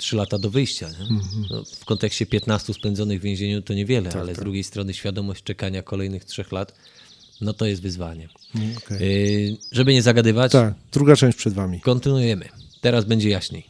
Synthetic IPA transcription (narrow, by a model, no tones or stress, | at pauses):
tʂɘlat̪ad̪ɔvɘjɕt͡ɕaɲɛnɔ̰fkɔnt̪ɛkɕt͡ɕɛpʲjɛt̪nast̪uspɛnd̪zɔnɘɣvʲjẽʑeɲut̪ɔɲɛvʲjɛlɛa̰lɛzd̪ɾuɡʲjejst̪ɾɔnɘɕfʲjad̪ɔmɔɕt͡ɕt͡ʂɛkaɲakɔlɛjnɘxtʂɛxlat̪ | nɔt̪ɔjɛst̪vɘzvaɲɛ | ʐɛbɘɲɛzaɡad̪ɘvat͡ɕ̪akd̪ɾuɡat͡ʂɛ̃w̃ɕt͡ɕʲpʂɛd̪vamʲikɔnt̪ɘnujɛmɘ̰t̪ɛɾazbɛɲd͡ʑɛjaɕɲḛj